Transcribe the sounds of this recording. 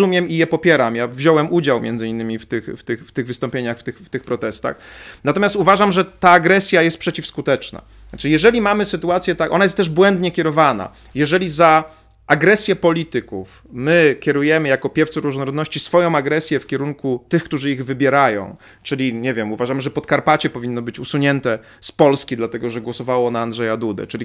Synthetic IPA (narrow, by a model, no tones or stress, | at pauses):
umʲjɛmijɛpɔpʲjɛɾamjavʑɔwɛmud͡ʑawmʲjɛ̰nd̪zɘinːɘmʲift̪ɘxft̪ɘxft̪ɘɣvɘst̪ɔ̃mpʲjeɲaxft̪ɘxft̪ɘxpɾɔt̪ɛst̪a̰xnat̪ɔmjast̪uvaʐamʐɛt̪aːɡɾɛsʲjajɛst̪̚pʂɛt͡ɕifskut̪ɛt͡ʂna̰ | t͡ʂɘjɛʐɛlʲimamɘsɘt̪uat̪sʲjɛt̪aʔɔ̰najɛst̪ːɛʐbwɛnd̪ɲɛkʲɛɾɔvana̰ | jɛʐɛlʲiza | ʔaɡɾɛsʲjɛpɔlʲit̪ɘkuf | mɘkʲɛɾujɛmɘjakɔpʲjɛft̪suɾuʐnɔɾɔd̪nɔɕt͡ɕisfɔjɔ̃w̃aɡɾɛsʲjɛfkʲɛɾuŋkut̪ɘxkt̪uʐɘiɣvɘbʲjɛɾajɔ̰̃w̃ | t͡ʂɘlʲiɲɛvʲjɛmuvaʐamɘʐɛpɔt̪kaɾpat͡ɕɛpɔvʲinːɔbɘt͡ɕusuɲɛnt̪ɛ | spɔlskʲid̪lat̪ɛɡɔʐɛɡwɔsɔvawɔnaːndʐɛjad̪ud̪ɛ̰t͡ʂɘlʲi